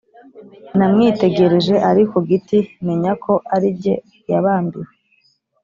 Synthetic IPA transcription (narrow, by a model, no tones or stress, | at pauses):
namŋite̞ɡe̞ɾe̞ʒe̞ʔaɾikoɡitime̞ɲakʰo̞ʔaɾibɟe̞̰ | jaβaːmbiwe